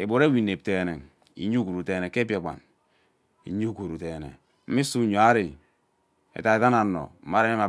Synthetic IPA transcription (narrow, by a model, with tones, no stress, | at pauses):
e˨bo˨ɾe˦wi˨ne˨p̚te˨ne˨ŋ | ḭ˨˦ɲu˦ku˨ɾu˨te˨e˨ke˦p̬je˨k͡pa̰˨n | ḭ˨ɲu˦ku˨ɾu˨te˨nḛ˨ | m̩˦mi˦su˦ɲo˨a˦ɾi˨ | ḛ˨ta˨e˨ta˦na˨˦no̰˨m̩˦ma˦ɾe˦e˦ma˨